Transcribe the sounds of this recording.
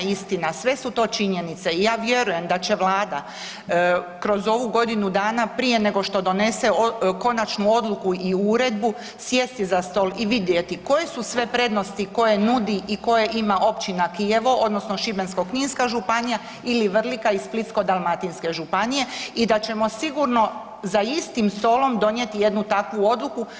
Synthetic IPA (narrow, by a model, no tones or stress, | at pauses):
ist̪inasʋe̞sut̪o̞ːt͡ʃiɲe̞nit̪seijaːʋje̞ɾuje̞md̪at͡ɕe̞ʋlˠaːd̪a | kɾo̞zo̞ʋuɡo̞d̪inud̪aːnapɾije̞ne̞ɡo̞ʃt̪o̞d̪o̞ne̞seoko̞nat͡ʃnuo̞d̪lukuiuɾe̞d̪bu | sjest̪izast̪o̞liʋid̪je̞t̪iko̞jesusʋe̞pɾe̞d̪no̞st̪iko̞je̞nud̪iʔiko̞jeʔimaʔo̞pt͡ɕinakije̞ʋoʔod̪no̞sno̞ʃibe̞nskokniːnskaʒupanija | iliʋr̩likaisplit̪sko̞d̪alˠmat̪inske̞ʒupanije̞id̪at͡ɕe̞mo̞siɡuɾno̞ | zaist̪imst̪o̞lˠo̞md̪o̞nje̞t̪ije̞d̪nut̪akʋuo̞d̪luku